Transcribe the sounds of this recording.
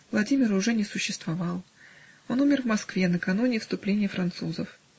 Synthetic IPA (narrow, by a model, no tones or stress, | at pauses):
vlˠɐdʲimʲɪɾʊʐɛnʲɪsʊɕːɪst̪vɐvɑlˠ | o̞numʲɪrvmɐskvʲenəkɐnunʲɪfst̪ʊplʲenʲɪjəfɾɐnt̪suzəf